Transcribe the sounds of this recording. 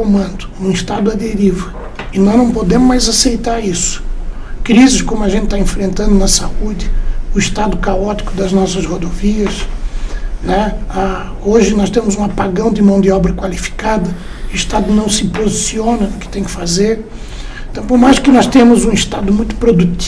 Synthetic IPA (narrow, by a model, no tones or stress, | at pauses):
omɐ̃nd̪ʊ̥nũist̪ad̪ʊɐd̪eɾivɐ | ɪnɔznɐ̃w̃pod̪ẽmʊmajzasejt̪aɾisʊ̥ | kɾizɪskõmʊɐʒẽnt̪ɪt̪aẽfɾẽnt̪ɐ̃nd̪ʊnɐsaud̪ɪʊiʃt̪ad̪ʊkaɔt̪i̥kʊd̪ɐznɔsɐzhod̪oviɐs | nɛa | oʒɪnɔst̪ẽmʊzũapaɡɐ̃w̃d̪ɪmɐ̃w̃d̪ɪɔbɾɐkwalifi̥kad̪ɐ | ʊiʃt̪ad̪ʊnɐ̃w̃sɪpozisiõnɐʊkɪ̥t̪ẽj̃kɪ̥fazeɾ̃ | t̪ɐ̃w̃poɾmajskɪnɔst̪ẽmʊzũiʃt̪ad̪ʊmũj̃t̪ʊ̥pɾod̪ut̪